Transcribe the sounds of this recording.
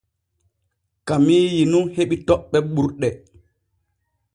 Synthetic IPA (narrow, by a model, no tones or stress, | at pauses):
kamiːjinuheɓitɔɓːɛɓuɾɗɛ